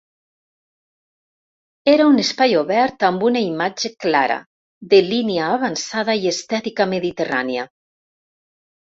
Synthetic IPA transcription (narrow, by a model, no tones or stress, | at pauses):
eɾaunespajoβɛɾt̪ambunaimad͡ʒeklaɾa̰ | ðeliniaːβansað̞aiest̪ɛt̪ikameðit̪era̰nia